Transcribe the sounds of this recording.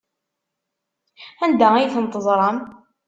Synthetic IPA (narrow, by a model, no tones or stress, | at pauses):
ænd̪æijθənt̪ˤəzˤɾˤəm